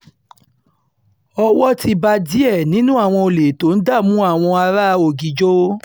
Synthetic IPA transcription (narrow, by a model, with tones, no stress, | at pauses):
ɔ˧wɔ˦ti˧ba˧di˨˦ɛ˦˨nĩ˦nũ˦a˦˨w̃ɔ̃˧o˨le˨to˨˦n̩˦da˦˨mũ˨˦a˦˨w̃ɔ̃˧a˧ɾa˦˧o˨ɡi˨d͡ʒo˦